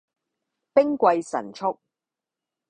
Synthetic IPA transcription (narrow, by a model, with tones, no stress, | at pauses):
pɪ˥ŋkʷɐ˧jsɐ̰˨˩nt͡ʃʰʊ˥k̚